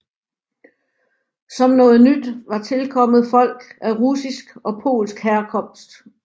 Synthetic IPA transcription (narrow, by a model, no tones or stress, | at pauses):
sɒ̽mnɔ̽ːð̞̩ˠnyd̥ʋɑ̈t͡sʰe̝lkʰɒ̽m̰ð̩ˠfɒ̽l̰ɡ̥æʁusisɡ̥ɒ̽pʰo̝̰ːlsɡ̥hæɐkʰɒ̽m̰sd̥